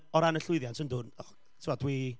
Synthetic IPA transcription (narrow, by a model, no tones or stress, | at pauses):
ɔɾanəɬʊɨðjansənduːnɔ | tʰiɔd̥wi